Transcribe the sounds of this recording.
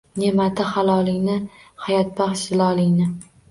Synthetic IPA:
ne̞mat̪ʰɪhalˠɒlˠɪŋnɪhajɒt̪̚bɑχʃɪlˠɒlˠɪŋnɪ

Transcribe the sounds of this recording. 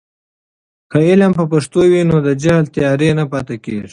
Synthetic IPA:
xaelampəpaʂt̪owinod̪əd͡ʒahlt̪ijɑːɾenapɑt̪akḛʐ

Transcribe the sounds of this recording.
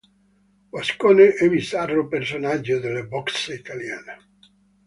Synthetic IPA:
boskoneʔɛvisaropersonad͡ʒːod̪elːebɔksit̪aljane

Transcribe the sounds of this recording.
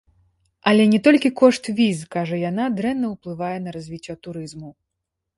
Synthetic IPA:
ɐlʲɛnʲɛt̪ɔlʲkʲikɔʂt̪vʲizkaʐɐjan̪ad̪ɾɛnːɐwplˠɨvajɛnɐɾazʲvʲit͡sʲːɔt̪uɾɨzmu

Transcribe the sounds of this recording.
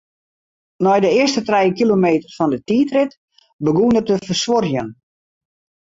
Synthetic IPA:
nɔjdəɪərstətrɛjkilomeːtərfɔndətiːtrɪt | bəɡuːnərtəfərsʋorjən

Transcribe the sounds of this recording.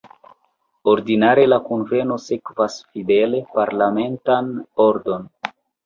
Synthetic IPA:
oɾdinaɾe̞lakonve̞no̞sekvasfide̞le̞paɾlame̞ntanoɾdo̞n

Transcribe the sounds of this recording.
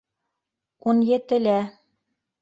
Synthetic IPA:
unjɘ̆t̪ɘ̆læ

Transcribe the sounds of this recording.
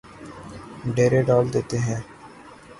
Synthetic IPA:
ɖeːɾeːɖɔːld̪eːt̪eːɦɛ̃ː

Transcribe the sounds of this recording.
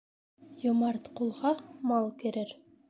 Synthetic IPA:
jomɑɾt̪qulˠʁɑmɑlˠkeɾɘɾ

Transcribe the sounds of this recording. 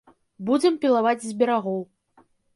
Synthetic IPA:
bud͡zʲɛmpʲilˠavad͡zʲzʲbʲɛɾaɣɔw

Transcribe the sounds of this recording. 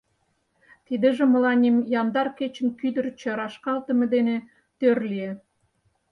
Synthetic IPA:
t̪id̪ə̆ʒĕmə̆lɑnʲimjɑnd̪ɑrket͡ɕə̆nkyd̪ə̆rt͡ɕə̆ɾɑʃkɑlt̪ə̆med̪ene | t̪ørlie

